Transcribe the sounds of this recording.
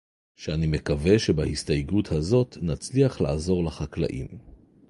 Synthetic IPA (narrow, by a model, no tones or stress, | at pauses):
ʃeanimekave̞ʃebahist̪ajɡuthazo̞tnat͡sliaχla̰azo̞ʁlaχakla̰ʔḭm